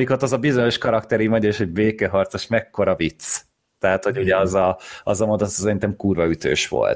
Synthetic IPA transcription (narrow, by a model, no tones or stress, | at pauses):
ikot̪ɒzɒbizo̞ɲo̞ʃkɒɾɒkt̪ɛɾimɒɟeiʃho̞ɟbeːkɛɦɒrt̪soʃmɛkːo̞ɾɒvit̪s | t̪ɛɦat̪ho̞ɟuɟɛɒzɒɒ̰zɒmod̪ot̪sɛɾint̪ɛmkuːrvɒyt̪ø̰ːʃʋo̰lt̪